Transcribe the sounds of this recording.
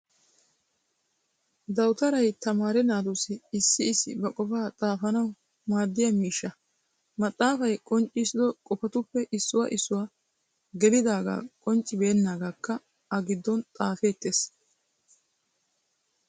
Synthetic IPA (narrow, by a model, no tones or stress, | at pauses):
d̪ɐwt̪ɐɾɐjt̪ɐmaːɾɛnaːd̪usɪːsːɪːsɪ̰bɐkʼɔfaːt̪ʼaːfɐnɐw | maːd̪ːɪjɐmiːʃːɐ | mɐt̪ʼːaːfɐjkʼɔnt͡ʃʼɪsɪd̪ɔkʼɔpɐt̪ʊpːɛʔɪsːʊwa̰ʔɪsːʊwa | ɡɛlɪd̪aːɡa̰ːkʼɔnt͡ʃʼːɪbeːnːaːɡaːkːɐ | ɐɡɪd̪ːɔnt̪ʼaːfeːt̪ːes